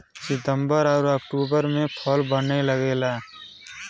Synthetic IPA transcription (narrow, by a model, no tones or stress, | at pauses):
sɪt̪ə̃mbəɾɔːɾəkʈuːbəɾmẽpʰɔlbəneləɡeːlaː